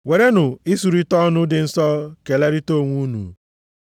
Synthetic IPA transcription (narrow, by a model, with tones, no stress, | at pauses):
we˨ɾe˦nʊ˨i˦su˨ɾi˦tɔ˦nʊ˦dɪ˨n̩˦sɔ˦ke˨le˦ɾi˦to˦˨ŋʷu˦nṵ˨